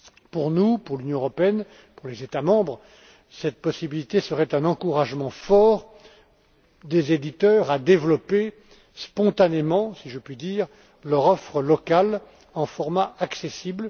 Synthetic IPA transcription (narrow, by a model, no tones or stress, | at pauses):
puʁnupuʁlynjɔ̃əʁɔpeɛn | puʁlezet̪amɑ̃bʁ | sɛt̪̚pɔsibilit̪esəʁɛt̪ɛ̃nɑ̃kuʁaʒmɑ̃fɔʁ | d̪ezed̪it̪œʁad̪evlɔpe | spɔ̃t̪anemɑ̃siʒəpɥid̪iːʁ | lœʁɔfχəlɔkal | ɑ̃fɔʁmaaksesibl